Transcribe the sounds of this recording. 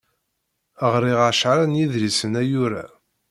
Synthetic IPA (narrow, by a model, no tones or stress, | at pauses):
əʁɾiʁaʃʕɾænjiðɾisənæjʊɾæ̰